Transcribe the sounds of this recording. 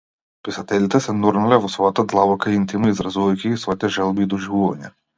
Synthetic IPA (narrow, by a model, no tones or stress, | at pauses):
pisat̪ɛlit̪ɛsɛnuɾnalɛvɔsvɔjat̪ad̪lˠabɔkaint̪imnɔizɾazuvajkʲiisvɔit̪ɛʒɛlˠbiːd̪ɔʒivuva̰ɲɛ